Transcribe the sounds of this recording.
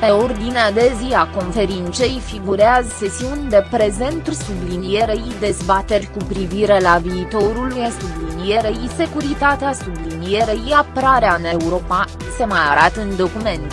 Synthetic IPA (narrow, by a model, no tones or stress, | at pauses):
pe̞o̞rd̪inead̪e̞ziako̞nfe̞ɾint̪se̞jfiɡuɾeazse̞siunʲd̪e̞pɾe̞ze̞nt̪urʲsublinijeɾejd̪e̞zbat̪e̞rʲkupɾiviɾe̞laviːt̪o̞ɾulujesublinije̞ɾejise̞kuɾit̪at̪easublinije̞ɾejiapəɾaɾeaɨne̞uɾo̞pa | se̞majaɾat̪əɨnd̪o̞kume̞nt̪